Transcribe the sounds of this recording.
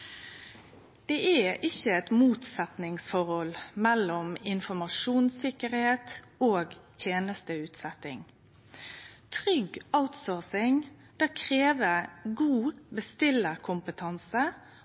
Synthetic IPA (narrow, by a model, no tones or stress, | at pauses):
d̪̥eːʔæɪçəɛt̪muːt̪sɛt̪nɪŋsfɔʁɔlmɛlɔmɪnfɔmɑʂuːnsɪkəɾheːt̪ | oːɡt̪ʰjeːnəst̪əʉːt̪sɛt̪ɪ̰ŋ | t̪ʰʁʏɡaʊt̪soːsɪŋ | d̪̥ækʰʁeːʋəɡuːbəst̪ɪləkʰʊmpət̪ʰɑnsə